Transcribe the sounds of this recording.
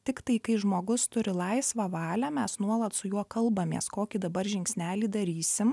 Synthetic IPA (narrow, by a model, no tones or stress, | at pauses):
t̪ʲɪkt̪ɐɪkɐɪʒmoːɡʊst̪ʊɾʲɪlˠɐɪsʋɐʋɑːlʲæːmʲɛsnuɔlˠɐt̪sʊjuɔkɐlˠbɐmʲḛɛskoːkʲiːd̪ɐbɐɾʒʲɪŋʲksʲnʲæːlʲiːd̪ɐɾʲiːsʲɪm